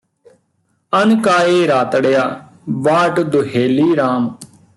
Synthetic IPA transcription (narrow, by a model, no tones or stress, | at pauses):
ənkaːeːɾaːt̪ɽjaː | ʋaːʈd̪ʊɦeːliːɾaːm